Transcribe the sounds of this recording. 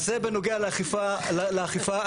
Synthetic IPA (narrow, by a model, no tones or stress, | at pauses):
zebenoɡealaχifaleaχifa